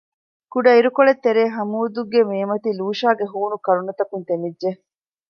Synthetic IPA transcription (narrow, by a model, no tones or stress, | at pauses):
kuɖɐiɾukoɭet̪ːeɾeːɦɐmuːd̪uɡemeːmɐt̪iluːʃaːɡeɦuːnukɐɾunɐt̪ɐkunt̪emidːe